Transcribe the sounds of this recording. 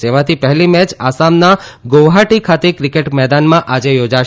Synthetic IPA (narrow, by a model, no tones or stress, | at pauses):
t̪eʋãt̪ʰipɛɦɛlimɛt͡ʃasamnaɡoʋɦaʈikʰat̪ekɾikeʈmɛd̪anmãʔad͡ʒejod͡ʒaʃ